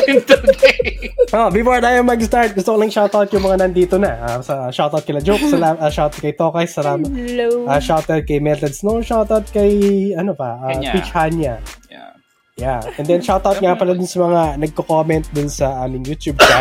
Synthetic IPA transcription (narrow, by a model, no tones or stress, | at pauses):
t̪u | ʔobɪfoɹd̪aːjɐŋmɐɡst̪aɹt̪̚ɡʊst̪okʊlɐŋʃawt̪awt̪̚jʊŋmɐŋanɐnd̪iːt̪onɐʔasɐʃawt̪awt̪̚kɪlɐd͡ʒoksɐlaɐʃawt̪ɐd̪̚kɐjt̪okɐjsːɐlaːmɐɐʃawt̪ɛd̪̚kɐjmɛlt̪ɛd̪snoʃawt̪awt̪̚kɐjɐnopɐʔapit͡ʃhanjɐ | jaʔɛnd̪ɛnʃawt̪awt̪̚ŋapɐlad̪ʊnsɐmɐŋanɐɡ̚kokomɛnt̪̚d̪ʊnsɐʔaːmɪŋjuːt̪jub̚a